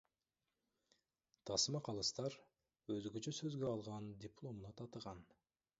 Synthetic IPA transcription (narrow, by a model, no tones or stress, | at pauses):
t̪ʰɑsmɑqʰɑlˠɯst̪ɑɾ | øzɡøt͡ʃøsø̞zɡøɑlˠʁɑnd̪ʲɪplˠo̞munɑt̪ʰɑt̪əʁɑn